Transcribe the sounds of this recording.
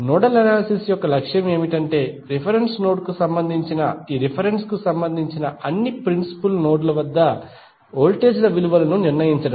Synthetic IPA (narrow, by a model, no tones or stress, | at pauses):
nɔːɖɐlɐnaːlsisjɔkːɐlɐkʂjɐme̞ːmiʈɐɳʈe̞ːɾipʰɐɾensnoːɖkusɐmbɐnd̪ʱiɲt͡ʃinɐiɾipʰɐɾenskusɐmbɐnd̪ʱiɲt͡ʃinɐɐnːipɾinsi̥pulnoːɖlɐʋɐd̪ːɐ | oːlʈeːd͡ʒlɐʋiluʋɐlɐnuniɾnɐjiɲt͡ʃɐɽɐm